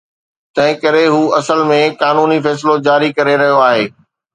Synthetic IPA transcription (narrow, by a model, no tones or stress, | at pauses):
t̪ɐ̃ɦɪ̃kɐɾeɦuːɐsəlmẽkaːnuːnifɛːs̬ɪlod͡ʑaːɾikɐɾeɾɐɦijoaːɦeː